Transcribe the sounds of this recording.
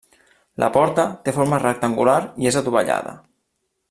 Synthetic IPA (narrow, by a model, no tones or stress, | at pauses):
lʔa̰pɔɾt̪ət̪efoɾmərək̚t̪aŋɡulaɾiezat̪uβaʎa̰ð̞ə̰